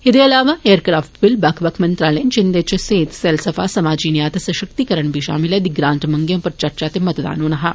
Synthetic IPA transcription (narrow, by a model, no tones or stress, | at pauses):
ed̪eɐlaːʋaeːəɾkɾaːfʈbilbakʰʋakʰmɐnt̪ɾaːlẽːnt͡ʃind̪et͡ʃeseːt̪selsɐfaːsɐmaːd͡ʒiːnjaːt̪ɐsɐʃək̚t̪ikəɾəɳbiʃa̰ːmiled̪iɡɾãːnʈmɐŋɡjɐ̃mpɐɾt͡ʃɐɾt͡ʃaːt̪emɐt̪d̪a̰ːnoːnɐɦa